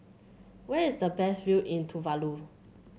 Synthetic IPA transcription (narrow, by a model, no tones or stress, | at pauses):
wɛisdəbɛsviʔĩntʰuvalu